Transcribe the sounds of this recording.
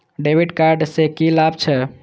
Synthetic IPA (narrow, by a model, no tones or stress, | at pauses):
ɖebiɖkaɾɖsekilabt͡ʃʰɛ